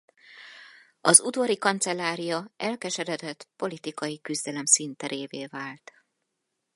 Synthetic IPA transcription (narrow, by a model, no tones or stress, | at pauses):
ɒzud̪vɒɾikɒnt̪sɛlːaːɾijɒɛlkɛʃɛɾɛd̪ɛt̪po̞lit̪ikɒjikyzd̪ɛlɛmsint̪ɛɾʔeːveːvaːlt̪